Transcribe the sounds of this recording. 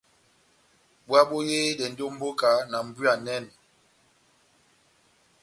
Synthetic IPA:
ɓwa˦ɓo˦je˦dɛ˨n̩˦do˦m̩˦bo˦ka˨na˨m̩˨bɥa˨nɛ˦˨n

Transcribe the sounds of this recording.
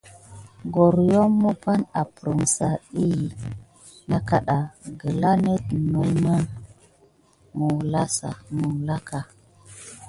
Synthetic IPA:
ɡo˨ɾjo˦mːə˦pa˦na˨pɾə˨msa˨i˦˨ | na˦ka˦ɗa˨ɡə˨la˦ne˦tno˨mə˦ | mu˨la˦sa̰˨mu˨la˦ka˨

